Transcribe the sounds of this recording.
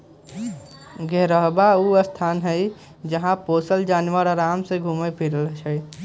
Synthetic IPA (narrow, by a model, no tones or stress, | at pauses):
ɡʱɛɾəɦbauəst̪ʰaːnɦəj | d͡ʒəɦãpoːsəld͡ʒaːnʋəɾaɾaːmseɡʱuːmepʰiɾəlt͡ʃʰəj